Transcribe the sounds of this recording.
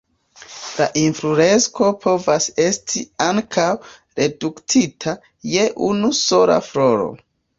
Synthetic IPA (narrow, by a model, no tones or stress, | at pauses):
laʔinfɾuɾe̞nsko̞pʰo̞vase̞stʰiaŋkʰaw | ɾe̞duktʰitʰa | je̞ʔunuso̞la̰fɾo̞ɾo̞̰